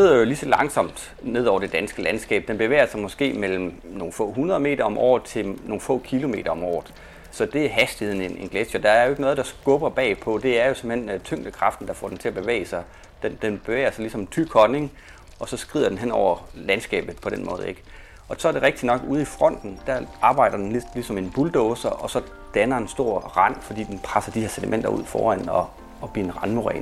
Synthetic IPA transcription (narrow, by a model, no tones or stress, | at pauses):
e̝ð̞̰ˠɐjo̝lisɒ̽lɑ̈ŋsɒ̽m̰d̥ | ne̝ð̞̰ˠɒ̰ʊɐd̥e̝d̥ænsɡ̥əlænsɡ̥ɛ̰ːb̥̚d̥enb̥e̝ʋḛːɐsɑ̈ɪmɒ̽sɡ̥e̝̰ːmel̰m̩no̝ːnfɔ̰̽ːɦunɐðˠme̝̰ːdɐɒ̽mʔɒ̰ːð̩ˠt͡sʰe̝no̝ːnfɔ̰̽ːkʰilo̝me̝ːɾɐɒ̽mɒ̰ːð̩ˠ | sɒ̽d̥e̝æɐɦæsd̥i̥he̝ð̰ˠn̩e̝ne̝nɡ̥leɕjɐd̥ɑ̈æɐjo̝e̝ɡ̥nɔ̽ːðˠd̥ɑ̈sɡ̥ɔ̽b̥ɐb̥ɛ̰ːpʰɒ̽d̥e̝æɐjo̝sem̩hent͡sʰøŋ̰d̥əkʰʁɑ̈fd̥n̩d̥ɑ̈fɒ̰ːdent͡sʰe̝æb̥e̝ʋḛɪsɑ̈ɪ | d̥end̥enb̥e̝ʋḛɪɐsɑlisɒ̽met͡sʰy̥kʰɒne̝ŋ | ɒ̽sɒ̽sɡ̥ʁið̰ˠɐdenɦen̰ɒʊ̰ɐlænsɡ̥ɛ̰ːb̥ð̞̩ˠpʰɒ̽ɾ̥enmɔ̽ːð̩ˠe̝ɡ̥ | ɒ̽sɒ̽ɐɾ̥e̝ʁeɡ̥̚d̥inɒ̽ɡ̥uð̞ˠifʁɒ̽n̰d̥n̩d̥æɐɑ̈ːb̥ɑ̈ɪ̰d̥ɐd̥enlisɒ̽me̝nb̥uld̥ɔːsɐʔɒ̽sɒ̽ | d̥ænɐe̝nsd̥o̝ɐ̰ʁɑn̰fɒ̽d̥ḭːd̥enpʰʁasɐd̥iheɐ̰sed̥imen̰d̥ɐṵð̞̰ˠfɒ̰ːæn̰ɒ̽ː | b̥lḭɐenʁɑ̈nmoʁɛ̰ːn